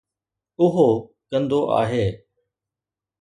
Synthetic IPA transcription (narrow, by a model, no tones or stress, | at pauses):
ʊɦo | kɐ̃nd̪oʔa̰ːɦeː